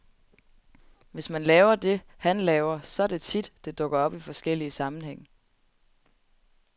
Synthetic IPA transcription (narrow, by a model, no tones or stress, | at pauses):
ʋe̝smænlɛːʊɐd̥e̝hænlɛːʊɐsɒ̽æɐd̥e̝t͡sʰid̥d̥e̝d̥ɔ̽ɡ̥ɐɒ̽b̥ifɒ̽sɡ̥el̰iəsɑ̈mn̩ɦeŋ̰